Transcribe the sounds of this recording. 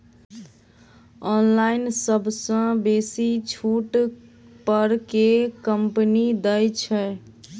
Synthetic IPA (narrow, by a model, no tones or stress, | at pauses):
ɔnlaɪnsəbʱsə̃besit͡ʃʰuʈ | pəɾkekəmpnid̪əjt͡ʃʰɛ